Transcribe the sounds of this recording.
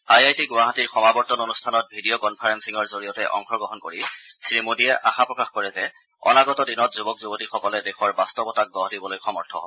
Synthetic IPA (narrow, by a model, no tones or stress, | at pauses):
ajajtiɡowaɦatiɹxɔmabɔɹtɔnonustʰanɔt̚bʱidiɔkɔnpʰaɹɛnsiŋɔɹzoɹijɔtɛʔɔ̰ŋxɔɡɔɦɔnkoɹisɹimodijɛʔaxapɹɔkaxkɔɹɛzɛ | ɔ̰naɡɔtɔdinɔtzubɔkzubotixɔkɔlɛdexɔɹbastɔbɔtak̚ɡɔɦdibɔlojxɔmɔɹtʰɔ̰ɦɔ̰